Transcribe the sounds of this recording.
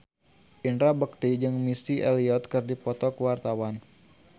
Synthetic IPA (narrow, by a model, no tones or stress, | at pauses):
ʔinɾabək̚t̪id͡ʒɨŋmisiʔɛliɔt̪̚kərdipɔt̪ɔkəwart̪awan